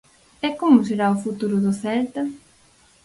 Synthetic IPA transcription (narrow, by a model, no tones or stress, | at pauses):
ɛkomʊs̬eɾaʊfut̪uɾʊðʊθɛlt̪ɐ